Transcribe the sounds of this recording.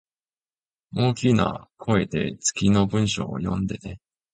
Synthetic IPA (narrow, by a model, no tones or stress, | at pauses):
oːkʲina̰kʰo̞e̞t̪e̞̰t͡sɨ̥kʲino̞bɯ̟̃ɰ̃ɕo̞̰ːjõ̞̰nd̪e̞t̪e